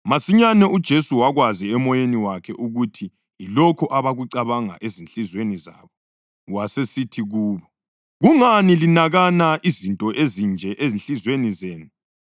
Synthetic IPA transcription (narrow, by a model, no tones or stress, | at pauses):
masiɲanɛud̥ʒ̥ʱesuwaɣwaziɛmɔjeniwakʰɛʔuɣutʰi | jilɔkʰɔʔaβaɣuǀaβaŋa̰ʔezinɬizweniza̰ːβɔ | wasesitʰiɣuːβɔ | ɣuŋanilinaɣanaʔizintʼɔʔezind͡ʒʱɛʔeznɬizwenizeːnu